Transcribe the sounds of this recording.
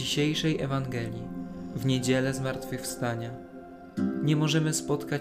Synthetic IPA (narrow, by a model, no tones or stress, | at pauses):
iɕejʂɛjʔɛvaŋɡɛlʲjivɲed͡ʑɛlɛzmaɾt̪fɘxfst̪aɲa | ɲɛmɔʐɛmɘspɔt̪ka